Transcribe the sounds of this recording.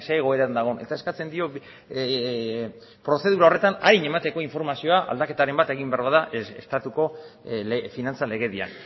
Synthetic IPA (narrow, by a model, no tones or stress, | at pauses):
seɣ̞o̞eɾand̪aɣ̞o̞ne̞̰t̪ae̞skat͡se̞nd̪io̞ | pɾo̞θe̞ð̞uɾao̞re̞t̪anaɾiɲe̞mat̪e̞ko̞iɱfo̞ɾmasio̞aʔa̰ld̪ake̞t̪aɾe̞mbat̪e̞ɣ̞imbeaɾβaðaʔḛst̪at̪uko̞ | finant͡sale̞ɣe̞ðia̰n